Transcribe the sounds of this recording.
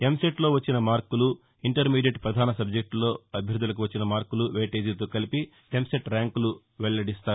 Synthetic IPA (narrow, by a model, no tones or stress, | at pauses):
e̞mseʈlo̞ːʋɐt͡ʃːinɐmaːɾkulu | iɳʈɐɾmiːɖijeʈpɾɐd̪ʱaːnɐsɐb̚d͡ʒek̚ʈlo̞ːɐbʱjɐɾd̪ːulɐk̬uʋɐt͡ʃːinɐmaːɾkuluʋeːʈeːd͡ʒit̪oːkɐlipi | emseʈɾaːŋkulu | ʋeɭɐlɐɽist̪aːu